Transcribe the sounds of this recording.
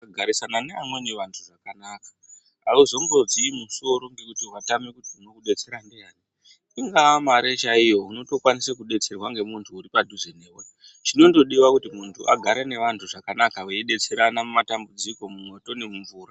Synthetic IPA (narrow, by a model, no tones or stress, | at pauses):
ɡʱaɾisananeamwe̞neʋantʰuʐakanaːkḁ | auzo̞ŋɡo̞d͡ziːmuso̞ɾo̞ŋɡe̞kutiwatame̞kutiuno̞kuɗe̞t͡se̞ɾandeaːni | iŋɡaamaɾet͡ʃaijo̞uno̞to̞kwanisekuɗe̞t͡se̞rwaŋɡe̞muntʰuːɾipadʱuzeneːwa | t͡ʃino̞ndo̞ɗiwakutimuntʰua̰ɡʱaɾene̞ʋantʰuʐakanakaweiɗe̞t͡se̞ɾanamumatambud͡ziko̞mumo̞to̞ne̞muɱvuːra